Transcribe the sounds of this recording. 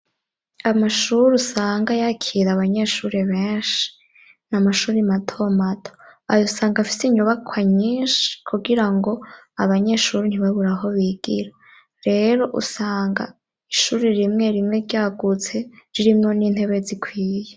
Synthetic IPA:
amaʃuɾusaːŋɡajakʰiɾaβaɲe̞ʃuɾeβeːnʃi̥ | namaʃuːɾimatʰo̞matʰo̥a̰josaːŋɡafi̥siɲuβakʰwaɲiːʃi̥kʰuɡiɾaŋɡo̞ | aβaɲe̞ʃuːɾin̥iβaβuɾaɦo̞βiːɡ̥iɾa | ɾe̞ɾo̞ʔṵsaːŋɡa̰ | iʃuːɾiɾimŋe̞ɾimŋe̞ɾɟaːɡut͡se̞ɾiɾimŋo̞niːn̥he̞βe̞zikʰwiːje

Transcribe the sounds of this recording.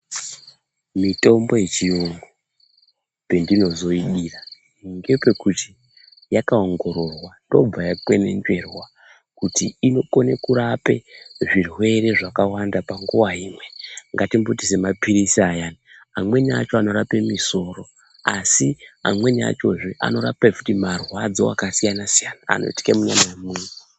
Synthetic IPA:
mito̞mbo̞je̞t͡ʃijoŋɡo | pe̞ndino̞zo̞iɗiːra | ŋɡe̞pe̞kutʰi̥ | jakaoŋɡo̞ɾo̞rwando̞̰b͡vajakwe̞ne̞̰nd͡ʒe̞rwa | kutiino̞ko̞nekuɾape̞ʐirwe̞ɾe̞ʐakawandapaŋɡuwaɦiːmwe̞ŋɡatimbotise̞mapiɾisiajaːniamwe̞nia̰t͡ʃo̞ano̞ɾapemiso̞ːro̞ | asia̰mwe̞nia̰t͡ʃo̞ʐiʔa̰no̞ɾa̰peku̥timarwad͡zo̞̰wa̰kasijanasijana̰ːno̰iti̥kemuɲamajemuːnu

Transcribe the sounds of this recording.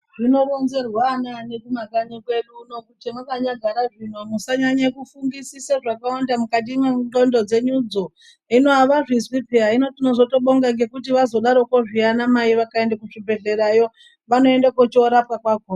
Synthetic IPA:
ʐino̞ɾonzerwanane̞kumakanikwe̞ɗuno̞kutemukaɲaɡʱaɾaʐin̤onosaɲaɲakufuŋɡisisaʐakawandamukat̬imeɬo̞ndo̞d͡ze̞ɲud͡zo̞ | inoaʋaʐizipiaino̞tino̞zo̞to̞ɓoŋɡaŋɡe̞kut̬iʋazo̞ɗaɾo̞koʐianamaiʋakaendakuʐibʱe̞ɮe̞ɾajo̞ | ʋano̞endakot͡ʃoɾap̚kakwako

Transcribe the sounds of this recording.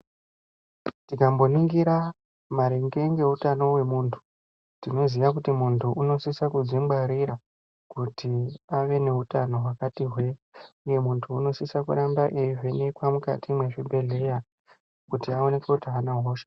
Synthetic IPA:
tikambo̞niŋɡiɾa | maɾeŋɡe̞ŋɡe̞ɦutano̞we̞muːntʰu̥ | tino̞zijak̬utimuntʰuʔuno̞sisakud͡zimɡ͡baɾiɾa | kutʰiaʋe̞ne̞ɦutano̞ɦwakatiɦwe̞uje̞muntʰuːno̞sisakṵɾambaʔejivenekwamuka̰tʰimwe̞ʐibʱe̞ɮe̞ja | kutiao̞ne̞kwekutiaːnaɦoːʃḁ

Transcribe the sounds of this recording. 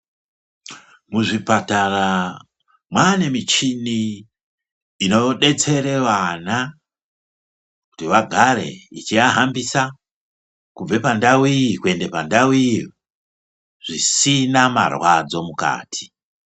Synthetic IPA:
muʐipatara | mwane̞mit͡ʃini | no̞ɗe̞t͡se̞ɾe̞ʋana | ku̥tiʋaɡʱaɾe̞̰ḭt͡ʃijaɦambisa | kub͡ve̞pandawikue̞ndepandawi | ʐ̥isinama̰rwad͡zo̞muka̰ːtʰi̥

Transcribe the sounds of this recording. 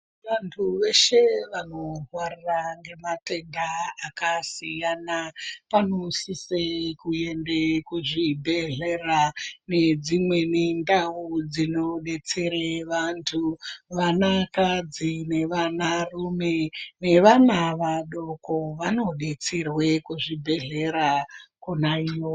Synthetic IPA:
ʋantʰuʋe̞ʃe̞ʋano̞ɦwariraŋɡe̞mate̞ndaakasijanapanosisekuje̞ndekuʐibʱe̞ɮerane̞d͡zimwe̞nendaud͡zino̞ɗe̞t͡seɾeʋantʰuʋanakad͡zine̞ʋanarume̞ne̞ʋanaʋaɗo̞koʋano̞ɗe̞t͡serwe̞kuʐibʱe̞ɮe̞ɾakunaio

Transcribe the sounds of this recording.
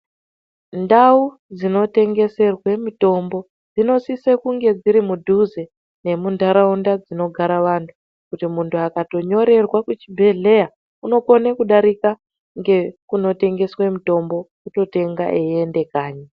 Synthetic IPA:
ndau | d͡zino̞te̞ŋɡe̞se̞rwe̞mito̞mbo̞ | d͡zino̞sisekuŋɡe̞d͡ziɾimudʱuze | ne̞mundaɾaundad͡zino̞ɡʱaɾaʋantʰu | kutimuntʰuakato̞ɲo̞ɾe̞rwakut͡ʃibʱe̞ɮe̞ja | uno̞konekuɗaɾika | ŋɡe̞kuno̞te̞ŋɡe̞swemito̞mbo̞ | uto̞te̞ŋɡa̰ʔeende̞kaːɲa

